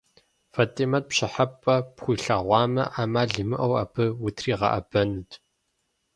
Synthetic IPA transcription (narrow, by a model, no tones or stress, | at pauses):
fɐtʼimɐt̚pɕɪħɐpʼɐpχʷiːɬaːʁʷɑːmɐʔaːmaːɮɨmɨʔɐwɐ̰pʰɨwʊtʰriːʁɐ̰ʔɐ̰b̥ɐnɨtʰ